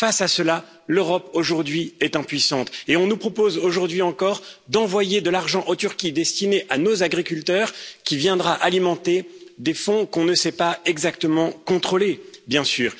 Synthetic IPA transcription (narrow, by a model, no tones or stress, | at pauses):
fasasəla | løʁɔpoʒuʁd̪ɥiɛt̪ɛ̃pɥisɑ̃t̪eɔ̃nupχɔpozoʒuʁd̪ɥiɑ̃kɔʁd̪ɑ̃vwajed̪əlaʁʒɑ̃ʔot̪yʁkʲid̪ɛst̪ineʔanozaɡʁikʲylt̪œʁkʲivjɛ̃d̪ʁaʔalimɑ̃t̪ed̪efɔ̃kɔ̃nəsɛpaɛɡzakt̪əmɑ̃kɔ̃t̪χolebjɛ̃syːʁ